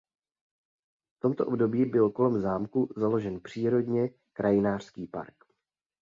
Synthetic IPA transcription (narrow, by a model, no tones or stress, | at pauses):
ft̪o̞mt̪o̞ʔobdo̞biːbɪlko̞lɛmzaːmkuzalo̞ʒɛnpr̝̥iːɾo̞dɲɛ | kɾʔajɪnaːr̥skiːpa̰ɾk